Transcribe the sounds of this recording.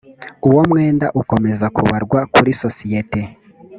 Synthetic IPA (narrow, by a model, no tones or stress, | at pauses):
uwomŋeːnda̰ʔuko̞me̞zakṵβaɾɡwakuɾiso̞sijete